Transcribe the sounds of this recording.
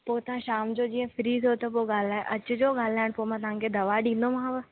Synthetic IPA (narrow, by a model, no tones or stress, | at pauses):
poːɪt̪ɐʋ̤ãʃaːmd͡ʑoːd͡ʑĩːə̃fɾiːzɦot̪ɐpoɠaːl̤aːeʔɐt͡ɕʊd͡ʑoːɠaːl̤aːɪɽ̃poːmãːt̪ɐʋ̤ãŋkʰed̪ɐʋaɗĩːnd̪omãːʋə